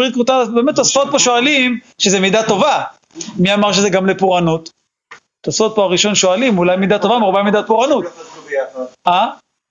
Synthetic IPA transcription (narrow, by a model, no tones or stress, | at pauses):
ʁid̪kvut̪abemet̪ːosfot̪̚poʃoalim | ʃezemid̪at̪o̞va | miamaʁʃezeɡamlepuʁanut̪ | tːosfot̪̚poaʁiʃo̞nʃoalimulajmid̪at̪o̞vamaʁbamid̪at̪̚puʁanut̪ | a